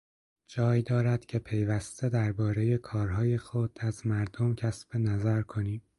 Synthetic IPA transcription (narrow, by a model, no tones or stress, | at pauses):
d͡ʒɒːjd̪ɒːɾæd̪̥cʲʰe̞pʰe̞jvæst̪e̞d̪æɾbɒːɾe̞je̞kʰɒːɾɦɒːje̞xod̪̥æzmæɾd̪omcʰæsb̥e̞næzæɾkʰo̞niːm